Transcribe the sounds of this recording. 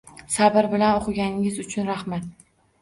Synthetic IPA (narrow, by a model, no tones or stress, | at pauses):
sabɪɾbɪlanoqʰɨɡʲanɪŋʲɪzʊt͡ʃʰʊnɾahmat̪